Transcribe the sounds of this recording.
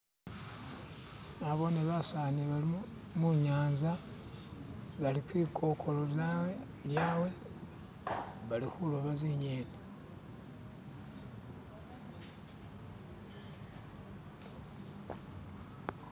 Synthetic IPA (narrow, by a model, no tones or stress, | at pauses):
aβo̞neβasaniβali | muɲaːnza | βalikwiːkʰo̞kʰo̞loβja | ljaːwe̞ | βalixulo̞βaziɲene